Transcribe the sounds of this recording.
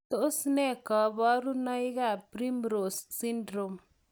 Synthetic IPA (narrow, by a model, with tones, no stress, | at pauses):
t̪o˦ʔsnɛ˦˨ka˨˦ba˦ɾu˦na˦jɡa˦˨pɾi˦mɾo˨ssi˦ndɾo˨m